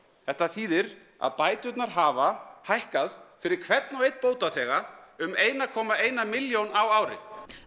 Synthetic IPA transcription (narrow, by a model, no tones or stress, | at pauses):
θɛht̪aθiːðɪɾ | a̰ðpaːjt̪ʏt̪naɾ̥ɦaːvahajhkaðfɪɾɪɾ̥kʰvɛt̪nɔejt̪̚poːwt̪aθɛːɣaʏmeːjnakʰɔːmaeːjnamɪljownawaːwɾɪ̰